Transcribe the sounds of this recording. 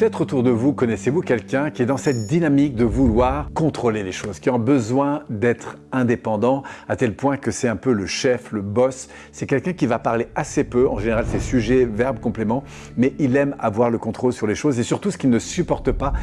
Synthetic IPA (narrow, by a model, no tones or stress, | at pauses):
pət̪ɛt̪χot̪uʁd̪əvukɔnɛsevukʲɛlkʲɛ̃kʲiɛd̪ɑ̃sɛt̪̚d̪inamik̚d̪əvulwaːʁkɔ̃t̪χoleleʃozkʲiɔ̃bəzwɛ̃d̪ɛt̪χ | ɛ̃d̪epɑ̃d̪ɑ̃at̪ɛlpwɛ̃kəsɛt̪ɛ̃pøləʃɛfləbɔsː | ɛkʲɛlkʲɛ̃kʲivapaʁleasepøɑ̃ʒeneʁalsɛesyʒɛvɛʁbkɔ̃plemɑ̃ | mɛʔilɛma̰vwaʁləkɔ̃t̪χolsyʁleʃozesyʁt̪usə̥kʲilnəsypɔʁt̪əpa